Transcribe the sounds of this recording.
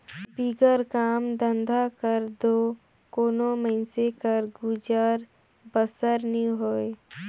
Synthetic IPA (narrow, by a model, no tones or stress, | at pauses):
biɡəɾkaːmd̪ə̃nd̪ʱakəɾd̪oː | koːnoməɪnsekəɾɡud͡ʒaːɾ | bəsəɾnĩɦoːe